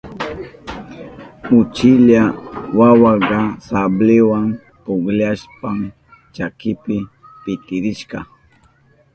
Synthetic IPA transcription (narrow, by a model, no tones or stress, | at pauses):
ʊt͡ʃɪʎawawaɢɑsablɪwam | pʊɡlaʃpam | t͡ʃakɪpɪ | pɪt̪ɪɾɪʃɢɑ